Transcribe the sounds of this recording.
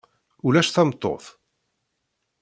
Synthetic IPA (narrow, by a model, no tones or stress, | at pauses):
ulæʃθɑmt̪ˤːo̰θ